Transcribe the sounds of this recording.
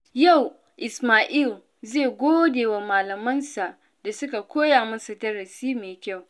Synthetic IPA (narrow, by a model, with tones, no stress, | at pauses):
ja˦˨w | ʔɪ˨smaː˨ʔiː˦˨l | zeː˦˨ɡʷoː˦deː˨wa˨maː˨lɐ˨mɐ˦nsa˨ʔ | da˨sʊ˦ka˨kʷoː˦jaː˨mɐ˦nsu˨tɐ˦ɽɐ˨siː˦meː˨kʲa˦˨w